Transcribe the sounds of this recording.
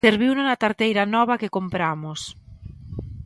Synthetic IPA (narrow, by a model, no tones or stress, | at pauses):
eɾβiwnonat̪aɾt̪ejɾanɔβ̞akekompɾamos